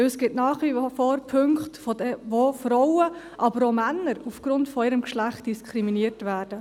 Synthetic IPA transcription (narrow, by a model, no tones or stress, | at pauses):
øsɡ̥ɪtnɑːχifoːɾpʰʏŋkχtfɔdvofɾɔwə | ʔɑbəɾomænːəɾufɡ̥ɾʊntfɔɪːɾəmkʃlæχt̚d̥iskʰχɾiminiəɾtvæːɾd̥ə